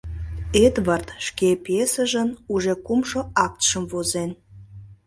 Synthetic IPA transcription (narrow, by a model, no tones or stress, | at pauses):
ed̪βərt̪ʃkepesəʒənuʒekumʃoɑk̚t̪ʃəmvozen